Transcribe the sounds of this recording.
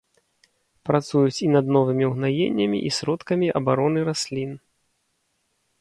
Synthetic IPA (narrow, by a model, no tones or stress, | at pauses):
pɾat̪sujut͡sʲinɐd̪nɔvɨmʲiwɣnajḛnʲːɐmʲḭʔisʲɾɔt̪kɐmʲiʔɐbaɾɔnɨɾasʲlʲin